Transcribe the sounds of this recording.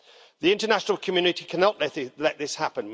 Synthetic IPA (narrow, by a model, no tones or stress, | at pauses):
ðiɪ̃ntənaʃənəlˠkʰəmjʉːnɪtikʰanɒʔɛlɛʔðɪshapə̃n